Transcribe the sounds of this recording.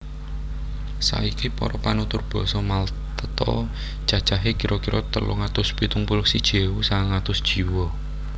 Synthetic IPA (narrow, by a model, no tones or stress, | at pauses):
sa̰ikipɔ̰ɾɔpanut̪ʊrb̥ɔ̤sɔmal | t̪ət̪ɔ̰ | d̥ʒ̥a̤d̥ʒ̥aɦekiɾʔɔkiɾɔt̪əlṵŋat̪ʊspit̪uŋpulʊksid̥ʒ̥ewusaŋat̪ʊsd̥ʒ̥i̤wɔ